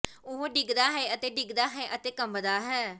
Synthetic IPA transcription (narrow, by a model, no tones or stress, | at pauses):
ʊɦːɖɪɡd̪aːɦɛːət̪eːɖɪɡd̪aːɦɛːʔət̪eːkəmbd̪aːɦɛː